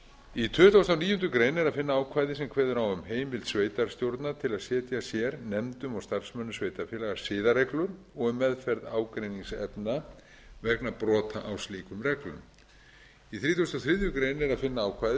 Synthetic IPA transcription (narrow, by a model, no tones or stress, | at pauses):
it̪ʰʏːt̪ʰawst̪awniːjʏnt̪̬ʏkɾejnɛɾaðfɪnːaaːwkʰvaːjðɪsɛmkʰvɛːðʏɾawʏmheːjmvɪlt̪sveːjt̪aɾ̥st̪jowɾt̪nat̪ʰɪlaðsjɛːt̪jasjɛɾnɛmt̪ʏmawst̪ar̥smœnːʏsveːjt̪afjɛlaɣḁsɪːðaɾɛklʏɾ | ɔɣʏmːɛðfɛɾðaːwkɾejniŋsɛpna | vɛknapɾɔːt̪ʰaʔawsliːkʏmrɛklʏ̰m | iθɾiːt̪ʰowst̪awθɾɪðjʏkɾeːjnɛɾaðfɪnːaaːwkʰvajð